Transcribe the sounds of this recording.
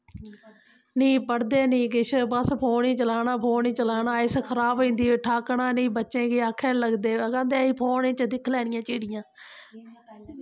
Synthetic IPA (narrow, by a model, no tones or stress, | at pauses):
nĩːpəɽd̪eːnĩːkɪʃbəspʰoːnĩːt͡ʃəlaːnãːpʰoːɳiːt͡ʃəlaːnaːɪskʰəɾaːbĩːnd̪iːeːʈʰaːkɳaːniːbətːʃẽːɡeːakʰːɛ̃ːləɡd̪eːkãːnd̪eːiːpʰoːnẽːt͡ʃd̪ɪkʰlɛːɽɪjãːt͡ʃeːɽɪjãː